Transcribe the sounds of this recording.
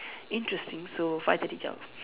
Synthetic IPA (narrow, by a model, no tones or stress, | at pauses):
ĩntɹɛstĩŋsofajtədit͡ʃa̰